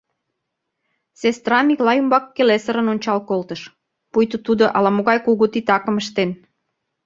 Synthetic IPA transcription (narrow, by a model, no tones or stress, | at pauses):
sest̪rɑmiklɑjumbɑkːelesəɾə̆nonʲt͡ɕɑlkolt̪əʃ | pujt̪ut̪ud̪oʔɑlɑmoɣɑjkuɣut̪it̪ɑkə̆məʃt̪en